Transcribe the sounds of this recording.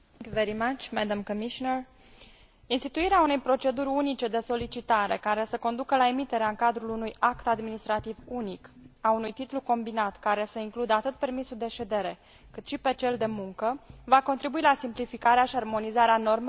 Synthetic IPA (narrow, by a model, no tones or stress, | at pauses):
ŋkjuveɾimat͡ʃmæd̪ə̃mkəmiʃonəɹ | inst̪it̪uiɾeaune̞jpɾo̞t͡ʃe̞d̪uɾʲunit͡ʃe̞d̪e̞so̞lit͡ʃit̪aɾe̞̰kaɾe̞səko̞nd̪ukəlae̞mit̪e̞ɾeaɨŋkad̪ɾulunujakt̪ad̪minist̪ɾat̪ivunikaunujt̪it̪luko̞mbinat̪kaɾe̞səiŋklud̪əat̪ɨt̪̚pe̞rmisuld̪e̞ʃe̞d̪e̞ɾe̞ | kɨt̪ʃipe̞t͡ʃe̞ld̪e̞muŋkəvako̞nt̪ɾibuilasimplifikaɾeaʃiarmo̞nizaɾeano̞rme